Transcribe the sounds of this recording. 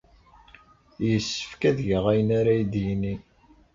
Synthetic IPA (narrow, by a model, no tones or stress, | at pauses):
jəsːə̥fkæðʝəʁæjənaɾæjd̪jini